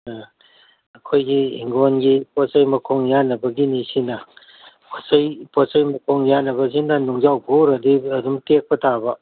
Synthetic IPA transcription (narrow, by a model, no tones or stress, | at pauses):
ɐkʰojɡiḭŋɡonɡiposɐjmɐkʰoŋjanɐbɐɡinisinɐ | pʰosɐjposɐjmɐkʰoŋjanɐβɐs̬inɐnuŋzawboɾɐdiɐdumtek̚pɐtabɐ